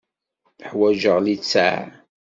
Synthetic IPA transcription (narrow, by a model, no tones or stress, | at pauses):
əħwæʒəʁlit͡sːaʕ̰